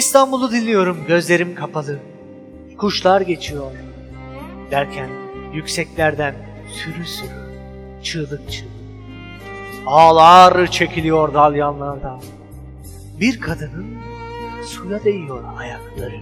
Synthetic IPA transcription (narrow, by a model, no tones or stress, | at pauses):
ist̪ʰanbulˠud̪inlʲijo̞ɾumɟø̞zlʲe̞ɾimkʰapʰalˠɯ | kʰuʃlˠaɾɟe̞t͡ʃʰijo̞ɾ | d̪̥æɾcʰænjycʲsɛclʲæɾd̪æn | syɾysɯk | t͡ʃʰɯːlˠɯk̚t͡ʃʰɯ | aːlˠaɾɯt͡ʃʰe̞cʰilʲijo̞ɾd̪alˠjanlˠaɾd̪a | biɾkʰad̪ɯnɯn | sujad̪e̞jijo̞ɾhajaklˠaɾɯ